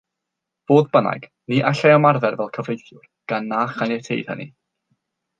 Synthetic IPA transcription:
v̥oːðbəna̰jɡ̥ | niʔaɬajɔmarvɛrvɛlˠkʰəvejθjʊrɡ̥anːaːχanɛtʰḛjð̥hə̰nḭ

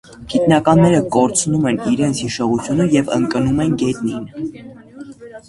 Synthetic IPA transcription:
ɡ̥it̪nɑkɑnːɛɾəkɔɾt͡sʰnumɛniɾɛnt͡sʰhiʃɔʁut͡sʰjunəjɛvə̰ŋkənumɛnɡɛt̪nin

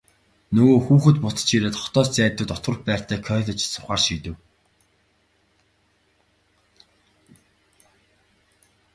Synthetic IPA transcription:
nɵɣoːxuːxɵ̆t̪pʊt͡sə̥̆t͡ɕʰiɾeːt̪χɔ̥t̪ɔːst͡sæːt̪ːʊ̆ːt̪ɔt̪wə̆xpæːr̥t̪ʰæːkʰœːɮɞ̆t͡ɕsʊχaːrʃiːt̪ɘ̆w

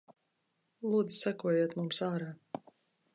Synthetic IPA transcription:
lˠuːd̪zi̥sakuɔjuːt̪mumsaːɾaː

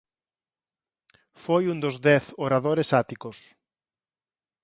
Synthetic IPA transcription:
fojũnd̪ʊzðɛθoɾaðoɾesat̪ikʊs

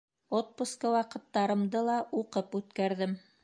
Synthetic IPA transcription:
ot̪̚puskəwɑqɤ̆t̪ːɑɾɤ̆md̪ɤlˠɑuqɤpʉt̪kæɾðɘm

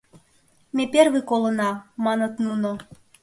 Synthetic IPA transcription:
meperɣɨkolə̆nɑmɑnɤt̪nuno

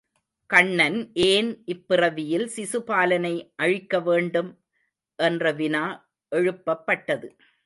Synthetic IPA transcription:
kɐɳːɐnʔeːnʔɪpːɪrɐʋɪjɪlsɪsɯpaːlɐnɐɪʔɐɻɪkːɐʋeːɳɖɯm | ʔɛndrɐʋɪnaː | ʔɛɻɯpːɐpːɐʈːɐðɯ

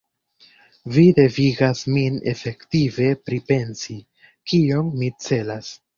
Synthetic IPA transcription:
vide̞viɡasmine̞̰fe̞ktive̞pɾipe̞nsi | kio̞nmit͡se̞las

